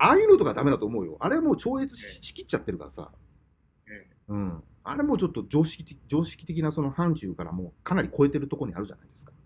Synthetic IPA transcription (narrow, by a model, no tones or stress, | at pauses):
aiɯɾot̪o̞ɡad̪ame̞d̪at̪o̞ːmo̞ɯ̟jo̞̰ʔaɾeamo̞ːt͡ɕo̞ːet͡sɨɕɕi̥kʲit͡ɕːat̪ːe̞ɾɯ̟ka̰ɾasa̰ | ɯ̟̃ɴ | a̰ɾe̞mo̞ːt͡ɕo̞t̪ːo̞d͡ʑo̞ːɕi̥kʲit̪ed͡ʑo̞ːɕi̥kʲi̥t̪e̞kʲinaso̞no̞hãɲ̟t͡ɕɨːkaɾa̰mo̞ːkʰanaɾʲiko̞e̞t̪e̞ɾɯ̟t̪o̞ko̞ɲ̟ia̰ɾɯ̟ʑa̰naid̪e̞sɨ̥kḁ